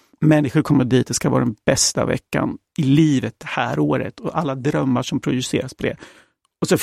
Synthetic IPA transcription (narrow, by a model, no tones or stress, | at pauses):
mɛnːɪɧʊɾkʰɔmːəd̪iːt̪ɛskavɑ̰ːɾad̪ɛnb̥ɛst̪a̰vɛ̰kːa̰n | ɪliːvət̪̚ɛhæːɾoːɾə̰t̪ʰɔʔalːad̪ɾœmːaʂɔmpʰɾʊj̪ʏseːɾaspʰɔd̪ɛ̰ | ɔsɔ